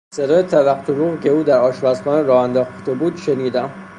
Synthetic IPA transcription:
seɾɒːjet̪ʰævæqt̪ʰoɾuːɣcʲʰe̞uːd̪æɾɒːʃvæsxɒːneɾɒːhænd̪ɒːxt̪ʰebuːd̪ʃeniːd̪æm

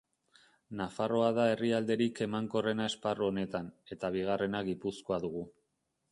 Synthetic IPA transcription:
nafaro̞aðae̞riald̪e̞ɾike̞maŋko̞re̞nae̞sparuo̞ne̞t̪ane̞t̪aβ̞iɣ̞are̞naɣipusko̞aðuɣ̞u

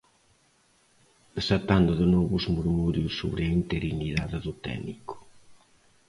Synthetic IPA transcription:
ðesat̪and̪ʊðɪnɔβʊzmuɾmuɾjʊsːo̰βɾeaint̪eɾiniðaðɪðʊt̪ɛ̰nikʊ̥

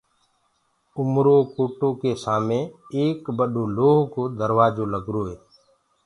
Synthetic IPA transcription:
ʊmɾoːkoːʈoːkeːsaːmẽːeːkɓəɗoːloːɦkoːd̪əɾʋaːd͡ʒoːləɡɾoːɦeː

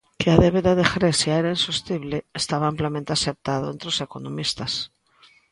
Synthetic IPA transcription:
keaðeβeðaðexɾesjaeɾainsust̪iβleːst̪aβaamplamẽnt̪easep̚t̪aðoent̪ɾosekonõmist̪as

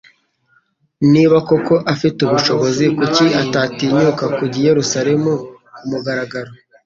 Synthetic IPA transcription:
niːβako̞ko̞ʔafituβuʃo̞βo̞zikuciʔatatiɲukakuɟije̞ɾusaɾe̞mu | kumuɡaɾaɡaɾo̞

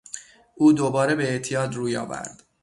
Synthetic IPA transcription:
ʔuːd̪obɒːɾe̞be̞ːʔt̪ʰijɒːd̪ruːjɒ̰ːvæ̰ɾd̪̥

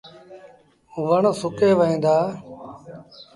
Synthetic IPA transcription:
uʋəɳsʊkeːʋəĩːnd̪aː

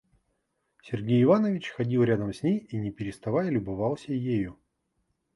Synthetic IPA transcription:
sʲɪrɡʲejɪvanəvʲɪt͡ɕxɐdʲilˠɾʲad̪əmsʲnʲejinʲɪpʲɪɾʲɪst̪ɐvajəlʲʊbɐvalˠsʲəjejʊ

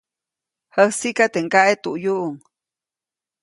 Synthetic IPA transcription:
həhsikat̪eŋkaʔet̪uʔjuʔuŋ

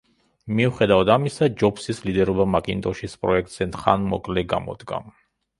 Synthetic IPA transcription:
miuχɛd̪avad̪amisad͡ʒɔpsislid̪ɛɾɔbamakʼint̪ʼɔʃispʼɾɔɛk̚ʰt̪ʼz̥ɛnχa̰nmɔ̰kʼlɛɡa̰mɔ̰d̪ɡa̰m

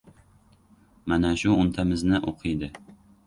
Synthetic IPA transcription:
manaʃʊʊnt̪ʰamɪznɪʔoqʰɨjd̪ɪ

